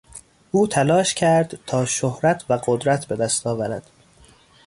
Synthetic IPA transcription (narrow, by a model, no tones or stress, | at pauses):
ʔuːt̪ʰælɒːʃcʰæɾd̪t̪ʰɒːʃohɾæt̪ʰvæɢod̪ɾæt̪ʰbe̞d̪æst̪ʰɒːvæɾæ̰d̪̥